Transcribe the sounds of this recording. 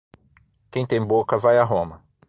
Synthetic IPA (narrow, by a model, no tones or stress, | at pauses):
kẽj̃t̪ẽj̃bokɐvajaɦõmɐ